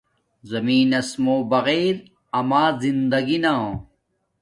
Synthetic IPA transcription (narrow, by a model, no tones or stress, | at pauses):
zɐmiːnɐsmoːbɐɣeːɾ | ɐmaːzind̪ɐɡinaõ